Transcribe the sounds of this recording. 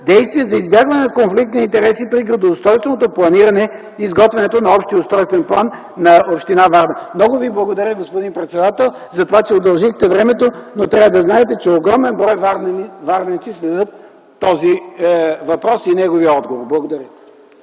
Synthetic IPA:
d̪ɛjst̪vʲiɛzɐizbjaɡvɐnɛnɐkonflik̚t̪niint̪ɛɾɛsipɾiɡɾɐd̪oost̪ɔjst̪vɛnot̪oplˠɐniɾɐnɛ | izɡɔt̪vɛnɛt̪onɐɔpʃt̪iʊst̪ɾɔjst̪vɛnplˠanː | ɐopʃt̪inavaɾd̪ɐmnɔɡʊviblˠɐɡod̪ɐɾʲjəɡospod̪inpɾɛt̪sɛd̪at̪ɛlˠzɐt̪ovat͡ʃɛod̪ɐlˠʒixt̪ɛvɾɛmɛt̪onot̪ɾʲavɐd̪ɐznaɛt̪ɛt͡ʃɛoɡɾɔmɛnbɾɔjvaɾvaɾvɛnit̪sislɛd̪ət̪ː | ɔzi | vɐpɾɔsinɛɡoviəɔd̪ɡovoɾblˠɐɡod̪ɐɾʲə

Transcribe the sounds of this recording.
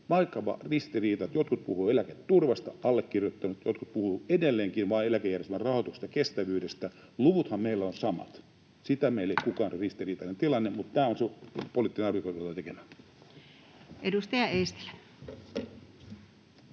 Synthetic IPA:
ʋɑikːɑʋɑ̰rist̪iriːt̪ɑt̪jot̪kut̪̚puhuːelæket̪tːurʋɑst̪ɑʔɑlːekːirjot̪ːɑnut̪jot̪kut̪̚puhuedelːeːŋkinʋɑːelækejærjest̪emærɑhot̪ukst̪ɑkest̪æʋyːdest̪æ | luʋut̪hɑmmeilːæonsɑmɑ̰t̪ | sit̪æmeileikukɑːnrist̪iriːt̪ɑnent̪ilɑnːemut̪t̪æːonsepolit̪ːinenɑrʋikoˑijot̪ɑt̪ekemæ | edust̪ɑjɑeist̪e̥l

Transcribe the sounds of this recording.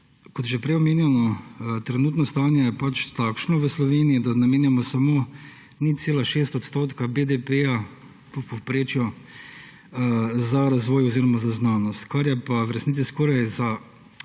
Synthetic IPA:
kɔt̪jʒɛpɾɛjɔmeːnjɛnɔt̪ɾɛnuːt̪nɔst̪aːnjɛjɛpat͡ʃt̪aːkʃnɔʋəslɔʋeːniid̪anameːnjamɔsamoː | niseːlaʃeːst̪ɔt̪st̪oːt̪kabed̪epeja | pɔpopɾeːt͡ʃjɔ | zaɾazʋoːjɔziɾɔmazaznaːnɔst̪kaɾjɛpaʋɾɛsnit͡ssiskoːɾajza

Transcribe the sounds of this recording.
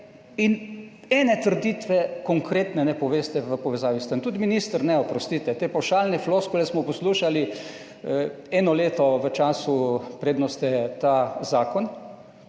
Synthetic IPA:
in | ɛnɛt̪əɾd̪it̪ʋɛkɔŋkɾeːt̪nɛnɛpɔʋeːst̪ɛʋəpɔʋɛzaːʋist̪ənt̪ud̪miniːst̪əɾnɛɔpɾɔst̪iːt̪ɛt̪eːpawʃaːlnɛfloskulɛsmɔpɔsluːʃali | ɛːnɔleːt̪ɔʋət͡ʃaːsupɾeːd̪nɔst̪ɛt̪azaːkɔn

